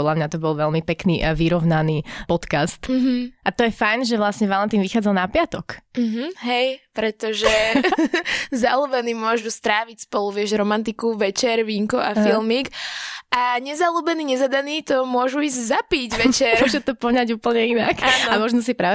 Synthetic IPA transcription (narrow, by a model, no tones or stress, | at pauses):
ɔd̪lamɲat̪ɔbɔlʋɛlmipɛknḭʋiɾɔʊnanipɔt̪kast̪ɦʔat̪ɔjɛfajnʒɛʋlasɲɛʋalant̪imʋixaːd͡zalˠnapɪat̪ɔk̩ɦ̩ɦɛjpɾɛt̪ɔʒɛ | zaluːbɛniːmʊɔʒust̪ɾaːʋicspɔluʋɪɛʒɾɔmant̪ikuʋɛt͡ʃɛɾʋiːŋkuʔafilˠmikʔaɲɛzaluːbɛniːɲɛzad̪aniːt̪ɔmʊɔʒuiːzɟzapiɟʋɛt͡ʃɛɾɔʒut̪ɔpɔɲaɟuːpl̩ɲɛinakaːnamɔʒnɔs̬ipɾaːʋɛ